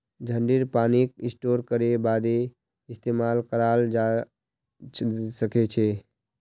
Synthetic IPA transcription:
d͡ʒʱəɳɖiɾpanik̚isʈoɾkəɾebad̪e | ist̪emalkəɾald͡ʒa | səket͡ʃʰɛ

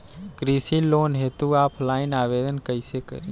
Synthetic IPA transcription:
ɡɾisiloːnɦeːt̪uaːpʰlaːɪnaːʋed̪ənkəsekə̰

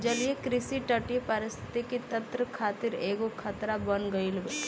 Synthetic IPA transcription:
d͡ʒɐliekɾɪsiʈəʈipəɾɪst̪ʰɪ̥t̪ikit̪ɐ̃nt̪ɾəkʰaːt̪ɪɾeːɡokʰɐt̪ɾabɐnɡɐilb

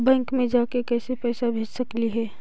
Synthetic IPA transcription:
bɛ̃ːŋkmẽd͡ʒaːkekɛːsepɛːsabʱeːd͡ʒsəkliɦɛː

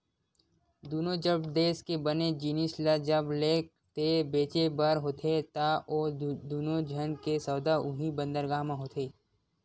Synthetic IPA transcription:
d̪uːnõd͡ʒəbd̪eːskebəned͡ʒinɪslad͡ʒəbleːk̚ | t̪ebeːt͡ʃebəɾɦoːt̪ʰet̪aoːd̪uːnod͡ʒʱənkesəwd̪aʊɦibə̃nd̪əɾɡaːmãɦoːt̪ʰeː

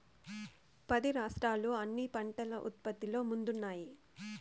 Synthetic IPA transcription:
pɐd̪iɾaːʂʈɾaːlːoːɐnːipɐɳʈɐlɐʔṵt̪̚pɐt̪ːilo̞ːmund̪unːaːji

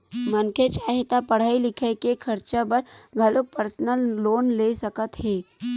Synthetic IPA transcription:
mənkʰet͡ʃaːɦet̪apəɽ̤aːilɪkʰəkekʰəɾt͡ʃabəɾɡʱəlok̚pəɾsnəlːoːnlesəkət̪ɦeː

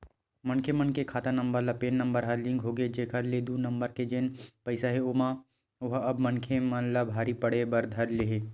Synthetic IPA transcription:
mɐnkʰemɐnkekʰaːt̪anɐ̃mbəɾlapeːnːɐ̃mbəɾɦaɾlɪ̃ŋɡɦoːɡed͡ʒeːkʰəɾleːd̪unɐmbəɾked͡ʒeːnpɐɪsaɦeoma | ʋɐɦɐbmɐnkʰemɐnlabʱaːɾipɐɽebɐɾd̪ʱɐɾleɦe

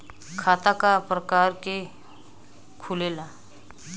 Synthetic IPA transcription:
kʰaːt̪akapɾəkaːɾke | kʰulela

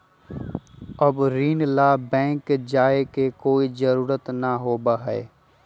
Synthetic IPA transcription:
əbɾiːnlaːbɛ̃ːŋkd͡ʒaːekekoːid͡ʒəɾuːɾət̪naɦoːbaɦɛe

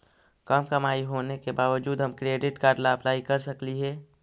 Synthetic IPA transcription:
kəmkəmaːiɦoːnekebaːʋəd͡ʒuːd̪ɦəmkɾeːɖɪʈkaːɾɖlaəplaːikəɾsəkliɦɛː

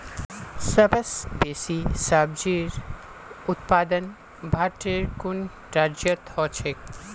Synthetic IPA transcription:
sɐbəsbeːsisaːb̚d͡ʒiːɾ | ʊt̪paːd̪ən | bʱaːɾʈeɾkʊn | ʈaːɾd͡ʒət̪hɔːt͡ʃʰek

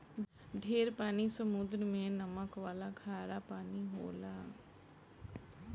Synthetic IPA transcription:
ɖʱeːɾpaːnisəmud̪ɾəmẽnɐməkʋaːlakʰaːɾapaːniɦo̰ːlaː

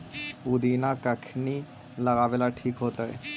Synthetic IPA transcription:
ud̪inakakʰni | laɡabelaʈʰikɦot̪ae

